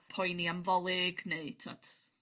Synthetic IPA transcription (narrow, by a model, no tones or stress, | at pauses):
pʰɔjniamvɔlˠɪɡneɨtʰa̰tʰ